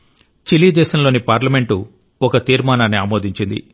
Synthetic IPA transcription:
t͡ʃiliːd̪ɛːʃɐmlo̞ːnipaːɾlɐme̞ɳʈu | ɔkɐt̪iːɾmaːnaːnːiaːmoːd̪ʱiɲt͡ʃind̪ḭ

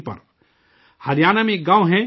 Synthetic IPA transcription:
pɐ̰ɾ | hɐɾjaːnamẽːk̚ɡãːwɦɛ̃

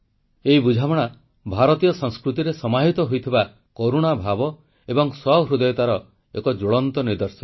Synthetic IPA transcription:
eibud͡ʒʱamɔɽ̃a | bʱaɾɔt̪ijɔsɔŋskɾut̪iɾesɔmaɦit̪ɔɦojt̪ʰiba | koɾuɽ̃abʱabɔ | ebɔŋsɔɦɾud̪ɔjɔt̪aɾɔ | ekɔd͡ʒoɭɔnt̪ɔniɾd̪ɔɾsɔ

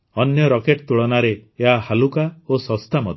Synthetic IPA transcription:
ɔnjɔɾɔkeʈt̪uɭɔnaɾeːɦahalukaosɔst̪ʰamɔd̪ʱ

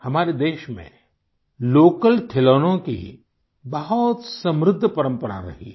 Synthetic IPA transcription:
hɐmaːɾed̪eːʃmḛ̃ | loːkəlʈʰeloːnõkḭ | bɐɦɔt̪sɐ̃mɾɪd̪ʱːpɐɾə̃mpəɾa̰ɾɐ̰ɦḭ

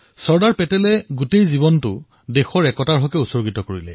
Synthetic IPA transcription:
sɔɹdaɹpɛtɛlɛɡutejziβɔntʊ | dexɔɹɛkɔtaɹɦɔkɛusɔɹɡitɔkoɹilɛ̰

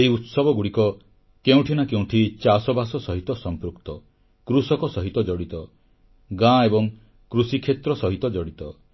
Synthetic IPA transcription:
eɦiut̪sɔbɔɡuɽikɔ | keũʈʰinakeũʈʰit͡ʃasɔbasɔsɔɦit̪ɔsɔmpɾukt̪ɔ | kɾusɔkɔsɔɦit̪ɔd͡ʒɔɽit̪ɔ | ɡãebɔŋ | kɾusikʰet̪ɾɔsɔɦit̪ɔd͡ʒɔɽit̪ɔ

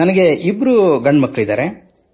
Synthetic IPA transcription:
ɐnɐɡe̞ibɾuɡɐɳɖmɐkːɐɭid̪aːɾe

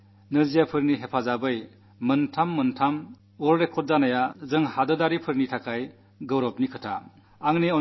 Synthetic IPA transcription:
nɯzijapʰɯɾniɦepʰazabɯj | mɯntʰamːɯntʰam | ɔlɾekʰːɔt̚zanajazɯŋhadɯdaɾipʰɯɾnitʰakʰaj | ɡɐwɾɔp̚nikʰɯtʰa̰ | aŋneɔ

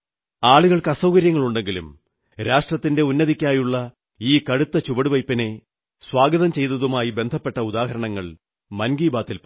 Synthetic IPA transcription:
aːɭuɣɐɭkɐsɐwkɐɾjɐŋːɐɭuɳɖe̞ŋɡilṵm | ɾaːʂʈrɐt̪ːinde̞unːɐðikʲːaːjuɭːɐ | iːkɐɻut̪ːɐt͡ɕubɐɽuʋɐjpːɐne̞ | swaːɡɐðɐmt͡ɕe̞jt̪ːɐðumaːjibe̞nd̪ʱɐpːe̞ʈːɐud̪aːɦɐɾɐɳɐŋːɐɭ | mɐnɡiːbaːt̪ːilp

